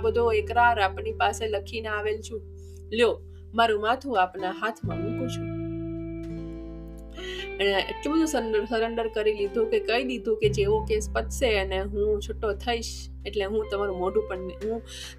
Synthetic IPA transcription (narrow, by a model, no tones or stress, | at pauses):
bəd̪ʱoekɾaɾapnipaseləkʰinaaʋelt͡ʃʰũ | ljo | maɾũmat̪ʰũapnaɦat̪ʰmãmikũt͡ʃʰũ | əneʔḛʈlubəd̪ʱũsəsəɾəɳɖəɾkəɾilid̪ʱũkekəilid̪ʱũked͡ʒeʋokespət̪seəneɦũt͡ʃʰʊʈːot̪ʰəiʃ | eʈleɦũt̪əmaɾũmoɖũpəɳɦũ